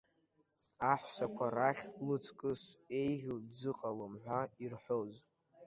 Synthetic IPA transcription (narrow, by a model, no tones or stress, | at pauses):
aħʷsakʷʰaraχʲlɨt͡sʰkʼɨse̞jʁʲud͡zɨqʼalɨmħʷᶣairħʷoz